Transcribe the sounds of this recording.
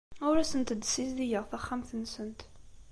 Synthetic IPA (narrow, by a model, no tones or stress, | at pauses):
ʊɾæsənt̪əd̪sizðijəʁθæχːamθənːsənt̪